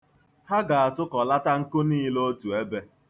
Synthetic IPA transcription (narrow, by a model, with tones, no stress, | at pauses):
ha˦ɡa˨a˨tʊ˦kɔ˨la˦ta˦ŋ̩˦kʊ˦niː˦lo˦tu˨e˦be˦